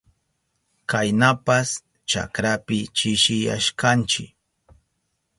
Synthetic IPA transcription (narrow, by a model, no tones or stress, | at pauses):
kajnapas | t͡ʃa̰kɾapɪt͡ʃɪʃɪja̰ʃkant͡ʃɪk